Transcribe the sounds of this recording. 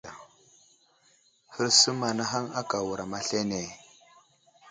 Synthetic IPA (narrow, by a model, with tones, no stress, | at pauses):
a˨ | hə˦ɾsu˦ma˨na˦ɦa˦ŋa˦ka˨wu˨ɾa˨ma˦ɬe˦ne˨